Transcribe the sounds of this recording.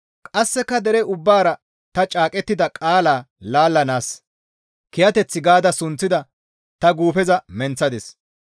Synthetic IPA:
kʼɐsːɛkːɐd̪ɛɾɛʊbːaːɾɐ | t̪ɐt͡ʃʼaːkʼɛt̪ːɪd̪ɐkʼaːlaː | laːlːɐnaːs | kɪjɐt̪ɛt͡sːɪɡaːd̪ɐsʊnt͡sːɪd̪ɐ | t̪ɐɡuːpɛzɐmɛnt͡sːɐd̪ɛs

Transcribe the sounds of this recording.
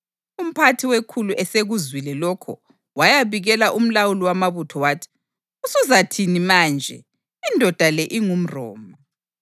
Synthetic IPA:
um̩pʰatʰiwekʰuluʔɛseɣuzwilɛlɔkʰɔ̰ | wajaβiɣɛlaʔum̩lawuliwamaβutʰɔwaːtʰi̥ | usuzatʰinimaːnd͡ʒʱɛ̰ | indʱɔd̥ʱalɛʔiŋum̩rɔ̰ːma

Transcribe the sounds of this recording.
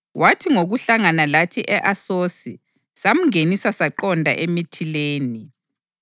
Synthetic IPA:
wʔatʰiŋoɣuɬaŋanalatʰiʔɛʔasoːsi | sam̩ŋenisasaǃɔndʱa̰ʔemitʰileːni

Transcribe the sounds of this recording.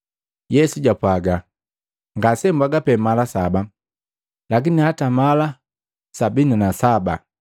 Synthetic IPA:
jɛsuɟapwaɡa | ŋɡasɛmbwaɡapɛmalasaba | lakinihatamala | sabinanasaba

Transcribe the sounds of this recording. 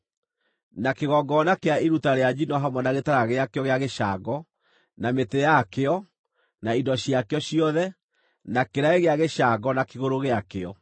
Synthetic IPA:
nakeɣɔɡɔnakeaiɾutaɾead͡ʑinɔɦamwɛnaɣetaɾaɣeakeɔɣeaɣeʃaɡɔ | nametejakeɔ | naidɔɕiakeɔɕiɔðɛ | nakeɾaeɣeaɣeʃaɡɔnakeɣoɾoɣeakeɔ

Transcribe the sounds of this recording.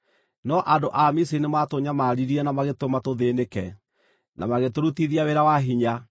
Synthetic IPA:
nɔʔadoʔamisinematoɲamaɾiɾiɛnamaɣetomatoðenekɛ | na̰maɣetoɾutiðiaweɾawaɦiɲa

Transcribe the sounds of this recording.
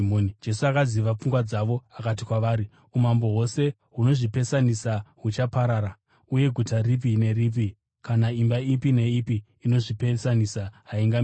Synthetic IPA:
onid͡ʒe̞suakaziʋap͡fuŋɡwad͡zaʋo̞akatikwaʋaːɾi | umambo̞ɦo̞se̞ | ɦuno̞ʐipe̞sanisaɦut͡ʃapaɾaɾa | uje̞ɡʱutarip̬ine̞rip̬i | kanaimbaipine̞ipiː | no̞ʐipe̞sanisaɦaiŋɡam

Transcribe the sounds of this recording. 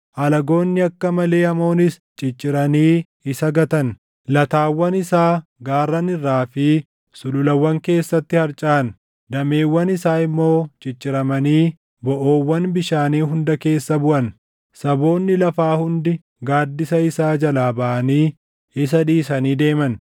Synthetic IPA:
ʔɐlɐɡo̞ːnːɪɐkːɐmɐle̞ːɐmo̞ːnɪs | t͡ʃʼɪt͡ʃʼːɪɾɐniː | ɪsɐɡɐt̪ɐn | lɐt̪aːwːɐnɪsaːɡaːrːɐnɪrːaːfɪ | sʊlʊlɐwːɐŋke̞ːsːɐt̪ːɪhɐɾt͡ʃʼaʔɐn | d̪ɐme̞ːwːɐnɪsaːɪmːo̞ːt͡ʃʼɪt͡ʃʼːɪɾɐmɐniː | bɔʔo̞ːwːɐnbɪʃaːniːɦʊnd̪ɐke̞ːsːɐbʊʔɐn | sɐbo̞ːnːɪlɐfaːhʊnd̪ɪ | ɡaːd̪ːɪsɐɪsaːd͡ʒɐlaːbɐʔɐniː | ɪs̬ɐᶑiːsɐniːd̪e̞ːmɐn

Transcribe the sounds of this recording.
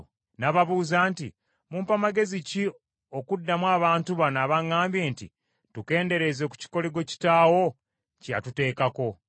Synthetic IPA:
naβaβuːzaːnti | muːmpamaɡe̞zici | o̞kudːamwaːβaːntuβanaβaŋːaːmbje̞ːntḭ | tuke̞ːnde̞ɾe̞ze̞ku̥ci̥ko̞leɡo̞ci̥taːwo̞ | ca̰tute̞ːkako̞

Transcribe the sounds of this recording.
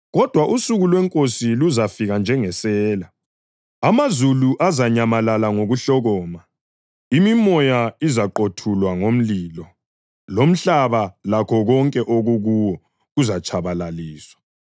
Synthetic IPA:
ɣɔd̥ʱwaʔusuɣulwɛŋkʼosiluzafiɣand͡ʒʱɛŋɛsɛːla | amazuluʔazaɲamalalaŋoɣuɬɔɣɔːma | imimɔjaizaǃotʰulwaŋom̩liːlɔ | lom̩ɬaβalakʰɔɣɔŋkʼɛʔoɣuɣuwɔ | ɣuzat͡ʃʰaβalaliːswḁ

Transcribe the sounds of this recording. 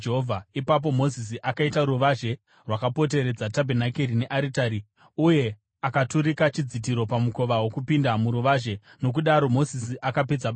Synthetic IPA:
d͡ʒeɦovʱaipap̬o̞mo̞zis̬iʔakaitaɾuʋaʒe̞ | rwakapo̞t̬e̞ɾe̞d͡zatabʱenakeɾine̞ʔaɾitaɾi | uje̞ | akatuɾikat͡ʃid͡zit̬iɾo̞pamuko̞ʋawo̞kupindamuɾuʋaʒe̞no̞k̬uɗaɾo̞mo̞zisiʔakaped͡zaɓ

